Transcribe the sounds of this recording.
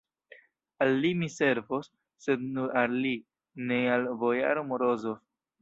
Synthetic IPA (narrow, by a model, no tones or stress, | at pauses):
alːimise̞ɾvosː | e̞d̪nuɾalːi | nealvoja̰ɾomoɾozof